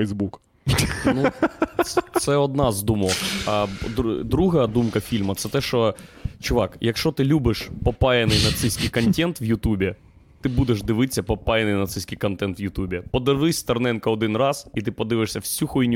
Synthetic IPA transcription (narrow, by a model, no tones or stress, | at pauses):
ɛzbuk | nu | t̪sɛɔd̪nɑzd̪umɔɐd̪ɾd̪ɾuɦɐd̪umkɐfʲilʲmɐt̪sɛt̪ɛʃt͡ʃɔt͡ʃʊʋɑkjɐkʃt͡ʃɔt̪ɪlʲubɪʃpɔpɑjɐnɪjnɐt̪sɪsʲkʲɪjkɐnʲtʲɛnt̪ʋjʊt̪ubʲɛ | t̪ɪbud̪eʒd̪ɪʋɪsʲɐpɔpajɪnɪjnɐt̪sɪsʲkɪjkɐnt̪ɛnt̪wjʊt̪ubʲɛpɔd̪ɪʋ̪ˠɪsʲt̪ɐrnɛnkɐɔd̪ɪnrɑzit̪ɪpɔd̪ɪʋɪʃsʲɐwsʲuxɔinʲ